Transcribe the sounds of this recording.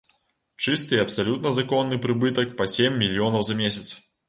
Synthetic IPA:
t͡ʂɨst̪ɨiɐpsalʲut̪̚nɐzakɔnːɨpɾɨbɨt̪ɐk̚pɐsʲemʲːilʲijɔnɐwzɐmʲesʲɐt̪s

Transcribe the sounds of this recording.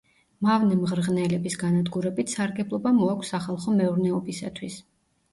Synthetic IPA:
mavnɛmʁɾʁnɛlɛbisɡanad̪ɡuɾɛbit̪ʰsaɾɡɛblˠɔbamɔakʷʰsːaχalˠχɔmɛuɾnɛɔbisa̰t̪ʰwis

